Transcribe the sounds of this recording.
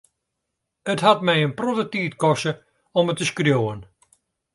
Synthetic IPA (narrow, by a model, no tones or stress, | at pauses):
ətɦatmɛjənprodətiːtkɔsə | ɔmətːəskrjowən